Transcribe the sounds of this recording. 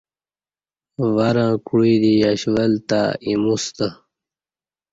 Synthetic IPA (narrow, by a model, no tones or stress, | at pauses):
vaɾãːkuɽid̪ijaɕʋəlt̪aimust̪ə